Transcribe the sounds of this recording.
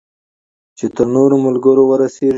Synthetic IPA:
t͡ʃet̪əɾnoɾomʊlɡəɾowəɾase

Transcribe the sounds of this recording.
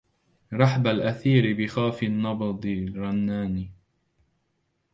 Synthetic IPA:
ɾˤɑħabalʔaθiːɾɪbɪxaːfɪnːɑbɑd̪ˤɨɾˤɑnːaːni

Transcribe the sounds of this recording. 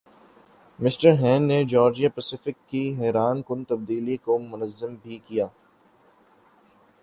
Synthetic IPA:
mɪsʈəɾɦɛ̃ːnːed͡ʒɔːɾd͡ʒijapɛsɪfɪkːiɦɛːɾaːnkʊnt̪ɐbd̪iːlikomʊnəzːəmbʱikijaː

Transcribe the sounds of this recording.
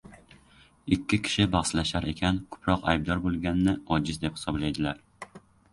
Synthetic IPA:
ɪkʲʰːɪkʲʰɪ̥ʃɪbɑʁslaʃaɾekʲʰankʰɵ̥pʰɾɒqa̰jb̚d̪ɒɾbolˠɡʲanːɪɒd͡ʒɪzd̪e̞phɪ̥sɒblajd̪ɪlaɾ

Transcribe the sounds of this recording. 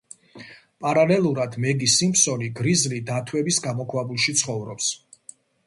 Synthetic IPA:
pʼaɾalɛlˠuɾad̪mɛɡisimpsɔniɡɾizlid̪at̪ʰwɛbisɡamɔkʰwabulˠʃit̪sʰχɔvɾɔps

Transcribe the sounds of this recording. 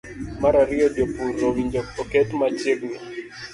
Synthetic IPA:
maɾaɾɪɔdopuːowiɲd͡ʒɔɔkɛtmat͡ʃeɡnɔ

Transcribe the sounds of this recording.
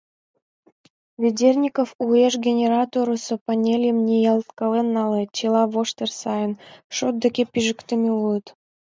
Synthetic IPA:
βʲedʲernʲikofueʃɡʲenʲeɾɑt̪oɾosŏpɑnʲelʲjəmnʲejɑlt̪kɤlenːɑlet͡ɕelɑβoʃt̪ersɑjənʃot̪̚d̪ə̆kʲepiʒə̆kt̪əmeulə̆t̪

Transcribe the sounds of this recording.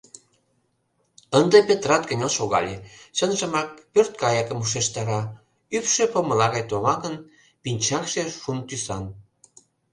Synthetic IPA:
ənd̪ɤpʲet̪rɑt̪̚kə̆nʲɑlʃoɣɑ̰lʲet͡ɕənʒə̆mɑk̚pørt̪̚kɑjɑkə̆muʃeʃt̪ɑɾɑ | ypʃø̆pomə̆lɑɣɑjt̪omɑkən | pinʲt͡ɕɑkʃeʃunt̪ysɑn

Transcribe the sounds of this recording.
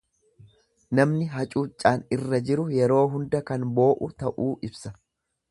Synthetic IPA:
nɐmnɪɦɐt͡ʃʼuːt͡ʃʼːaːnɪrːɐd͡ʒɪɾʊjɛɾo̞ːɦʊnd̪ɐkɐnbo̞ːʔʊt̪ɐʔuːʔɪbsɐ

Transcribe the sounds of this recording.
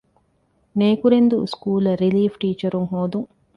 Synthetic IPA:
neːkuɾend̪uskuːlɐɾiliːfʈiːt͡ʃɐɾuŋɦoːd̪uŋ

